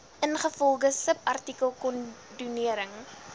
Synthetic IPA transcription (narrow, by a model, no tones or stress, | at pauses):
ənχəfɔlˠɡəsəpɐrtikəlˠkɔn | duniəɾəŋ